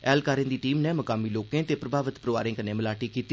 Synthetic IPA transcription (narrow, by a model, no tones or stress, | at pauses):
ɛːlkaːɾẽːd̪iːʈiːmneːməkaːmiːloːkẽːt̪eːpɾəbʱaːʋət̪pɾəʋa̰ːɾẽːkənẽːməlaːʈiːkiːt̪i